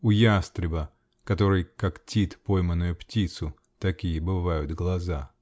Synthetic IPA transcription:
ʊjast̪ɾʲɪbə | kɐt̪o̞ɾɨjkaktʲit̪pojmənːʊjʊptʲit̪sʊ | t̪ɐkʲijəbɨvajʊd̪ɡlˠɐza

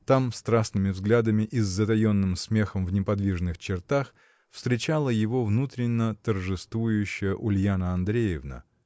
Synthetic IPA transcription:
t̪amst̪ɾasnɨmʲɪvzɡlʲad̪əmʲɪʔɪzːət̪ɐjo̞nːɨmsmʲe̞xəmvnʲɪpɐd̪vʲiʐnɨxt͡ɕɪrt̪ax | fst̪ɾʲɪt͡ɕalˠəjɪvo̞vnut̪ɾʲɪnʲːət̪ərʐɨst̪vujʉɕːɪjəʔʊlʲjanəɐnd̪ɾʲejɪvnə̰

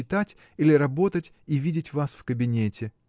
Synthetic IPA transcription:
ɪt̪atʲ | ilʲɪɾɐbo̞t̪ətʲ | ivʲidʲɪtʲvasfkəbʲɪnʲetʲɪ

